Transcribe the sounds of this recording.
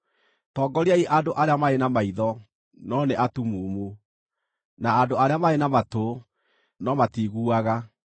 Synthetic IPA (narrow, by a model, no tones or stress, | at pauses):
tɔːɡɔɾiaiʔandoʔaɾeamaenamaiðɔ | nɔneʔatumuːmu | naːdoaɾeamaenamato | nɔmatiɣuaɣa